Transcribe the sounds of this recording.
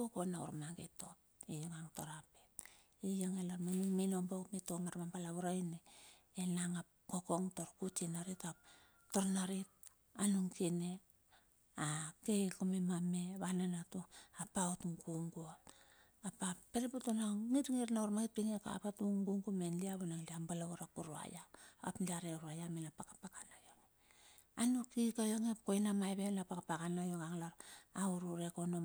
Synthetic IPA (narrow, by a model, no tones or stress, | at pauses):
kokonaṵɾmaɡeto̞p | ijaŋaŋto̞ɾapet | ijaŋelaɾmanuŋminombawpmetoŋaɾmampalaβuɾajneː | naŋap | kokoŋto̞ɾkut͡ʃinaɾitap | to̞ɾnaɾit̚ | anuŋkine | akekomemameβananatuapautŋɡuŋɡuot | apapeɾeputonaŋitŋiɾnauɾmakit̚piŋeka̰patuŋɡuŋɡumenliaβonaŋliambalaɡuɾapuɾua̰jaapliaɾeɾuajaminapakapakanajoŋ | anukikajoŋepkojnamajβenlapakapakanajoŋaŋlaɾauɾuɾekono